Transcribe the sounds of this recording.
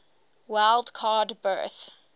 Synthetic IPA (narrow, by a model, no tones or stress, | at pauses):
waɪlˠdkʰɑːdbɜ̰ːˑθ